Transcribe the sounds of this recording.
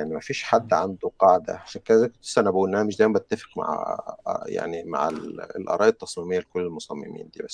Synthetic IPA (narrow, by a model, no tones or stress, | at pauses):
aʕnimæfiːʃħad̪ːʕand̪uqɑʕd̪æ̰ʕaʃænkæzækʊt̪sænæbæʔuːlnʔænæmɪʃd̪æːjmbt̪ːæfɪ̥qma̰ʕ | ja̰ʕnima̰ʕllʔɑ̰ɾˤɑːʔɑt̪ːɑsˤmiːmejːælkʊlːelmʊsˤɑmːɪ̰mḭːnd̪iːbæsː